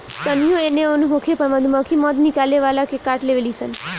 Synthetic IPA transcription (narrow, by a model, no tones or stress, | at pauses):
t̪ənijoeneonũɦõkʰepəɾməd̪ʱuməkʰimɔd̪nikaleʋalakekaʈleʋelisən